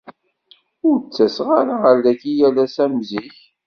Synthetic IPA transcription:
ʊɾt͡sːæsʁaɾaʁəɾlæçijælæsæmziç

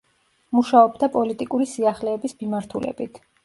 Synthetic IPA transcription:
muʃaɔbd̪apʼɔlit̪ʼikʼuɾisiaχlɛːbismimaɾt̪ʰulɛ̰bit̪ʰ

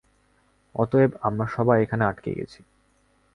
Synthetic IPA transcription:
ɔt̪oebamɾaʃɔbajekʰaneaʈkḛɡḛt͡ɕʰi̥

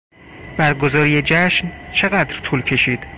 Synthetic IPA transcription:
bæɾɡo̞zɒːɾijed͡ʒæʃnt͡ʃʰe̞ɣæd̪ɾt̪ʰuːlcʰe̞ʃiːd̪̥

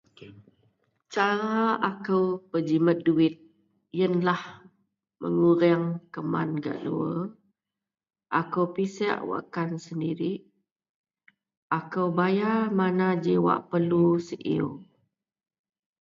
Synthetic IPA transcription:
t͡ʃaɾaakəwpəd͡ʒimət̪̚duɪt̪̚ | jənlah | mə̰ŋuɾɛŋkəma̰nɡa̰ʔduə | ʔakəwpisɛ̰ʔwa̰kansəndiɾiʔ | ʔakəwbajamanad͡ʒiwa̰ʔpərlusəʔḭw

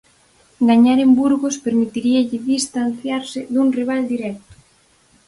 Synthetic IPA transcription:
ɡaɲaɾembuɾɣospeɾmit̪iɾiaʎɪðist̪anθjaɾsɪðuŋriβ̞ald̪iɾɛk̚t̪ʊ̥

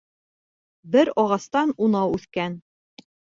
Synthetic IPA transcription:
bɘɾɒʁɑst̪ɑnunɑwʉθkæn

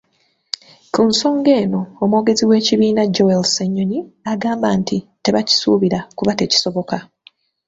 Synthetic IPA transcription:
kunso̞ːŋɡe̞ːno̞ːmwo̞ːɡe̞ziwe̞ːciβiːnaɟowelseɲːoniaɡaːmbaːntite̞βaci̥suːβiɾakuβate̞ːci̥so̞βo̞ka

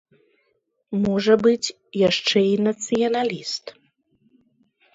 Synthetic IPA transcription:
mɔʐɐbɨt͡sʲ | jaʂt͡ʂɛinɐt̪sɨjɐnalʲist̪

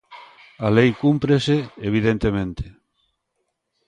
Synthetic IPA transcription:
alejkumpɾeseeβ̞iðent̪emẽnt̪e̥

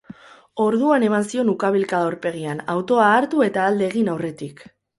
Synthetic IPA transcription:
o̞ɾð̞uane̞mansio̞nukaβ̞ilkaðauɾpe̞ɣ̞iana̰wt̪o̞aːɾt̪ue̞t̪aːld̪e̞ːɣ̞inawre̞t̪ik

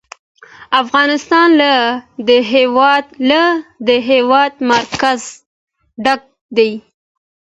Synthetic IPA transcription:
afɣɑnɪst̪ɑnlad̪əɦewɑd̪lad̪əɦewɑd̪maɾkaz | ɖaɡ̚ | d̪aj

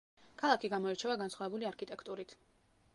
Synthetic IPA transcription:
kʰalˠakʰiɡamɔɛɾt͡ʃʰɛvaɡansχwavɛbuliaɾkʰit̪ʼɛkʰt̪ʼuɾit̪ʰ

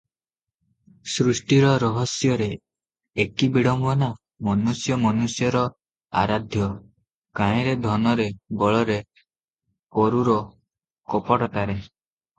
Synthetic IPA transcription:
sɾusʈiɾɔɾɔɦɔsjɔɾeː | kibiɽɔmbɔna | mɔnusjɔmɔnusjɔɾɔ | a̰ɾad̪ʱjɔ | kãĩɾed̪ʱɔnɔɾebɔɭɔɾe | koɾuɾɔ | kɔpɔɽɔt̪aɾe

